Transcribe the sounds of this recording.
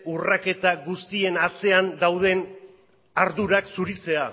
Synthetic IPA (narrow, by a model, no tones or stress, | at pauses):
urake̞t̪aɡust̪ie̞nat͡se̞and̪awð̞e̞n | aɾðuɾaksuɾit͡se̞a